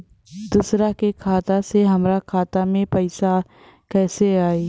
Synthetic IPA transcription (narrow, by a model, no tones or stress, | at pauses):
d̪usɾakekʰaːt̪aseɦɐmɾakʰaːt̪amẽpɐɪsa | kɛːseaːeː